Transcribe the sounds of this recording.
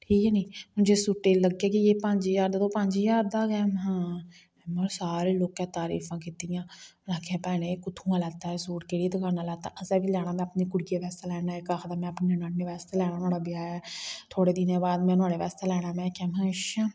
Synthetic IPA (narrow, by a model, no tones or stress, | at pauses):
ʈʰiːkːniːmʊ̃d͡ʒeːsʊʈːeːləɡːeːkijeːpəɲd͡ʒiːd͡ʒaːɾd̪aːt̪õpəɲd͡ʒiːjaːɾd̪aːɡɛːmɦãː | ɛːmɔːsaːɾeːloːkɛ̃ːt̪aːɾḭːfʰãːkit̪ijãːlãːkeːpɛːnẽːkʊt̪ʰũːãːlɛːt̪aːɛːsoːʈkeːɽied̪əkaːnãːlɛːt̪a̰ːʔəsɛːbiːlɛːɽ̃aːmɛ̃ːəpneːkʊɽɪjeːʋɛːst̪aːlɛːɽaːɛːkaːkʰd̪aːmɛ̃ːəpneənaːnneːʋɛːst̪eːlɛːɽ̃aːnʊaːɽaːbɪjaːɛːt̪ʰoːɽeːd̪ɪnẽːbaːd̪mɛ̃ːnʊaːɽeːʋɛːst̪eːlɛːɽ̃aːmɛ̃ːkɛːmɦə̃ʃa